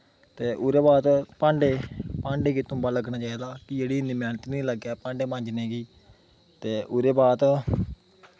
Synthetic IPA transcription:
t̪eːʔʊɾeːbaːt̪pãːɳɖeːpãːɳɖeːkit̪ʊ̃mbaːləɡnaːt͡ʃaːiːd̪aːkɪd͡ʒeːɽiːnd̪iːmɛ̃ːnt̪nĩːləɡɛːpãːɳɖeːmãːɲd͡ʒneːɡiː | t̪eːʔʊɾeːbaːt̪

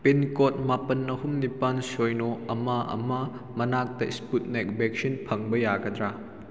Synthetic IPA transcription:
penkot̚mapɐnːɐɦumnipansojnoɐmɐʔɐ̰mɐ | mɐnak̚tɐisput̚nek̚bek̚sinpʰɐŋbɐjaɡɐd̪ɾa

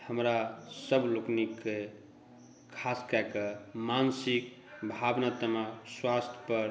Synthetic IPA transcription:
həmɾasəbʱloknikːe | kʰaskɛkemansik̚ | bʱabnat̪əmaswast̪ʰjpəɾ

